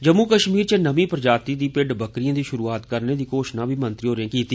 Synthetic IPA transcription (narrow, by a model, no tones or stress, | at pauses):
d͡ʒəmːuːkəʃmiːɾt͡ʃənəmĩːpɾəd͡ʒaːt̪iːd̪iːpɪɖbəkɾɪjãːd̪iːʃʊɾuːaːt̪kəɾneːd̪iːkoːʃnãːbiːmənt̪ɾiːɦoːɾeẽːkiːt̪iː